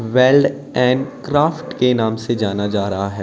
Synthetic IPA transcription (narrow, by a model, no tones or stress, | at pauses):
ʋɛːlɖ | ɛ̃ːɳɖkɾaːfʈkenãːmsed͡ʒaːnad͡ʒaːɾɐɦaɦɛː